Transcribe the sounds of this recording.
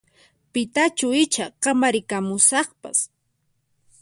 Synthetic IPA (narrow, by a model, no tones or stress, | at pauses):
pɪt̪at͡ʃʊɪt͡ʃaqɑmaɾɪkamʊsɑχpa̰s